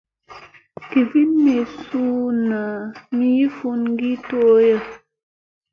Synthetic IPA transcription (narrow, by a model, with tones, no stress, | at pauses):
ki˨vi˦nmi˨su˦na˨mi˦ji˦fu˦nŋ˦ɡi˦to˦jə˦˨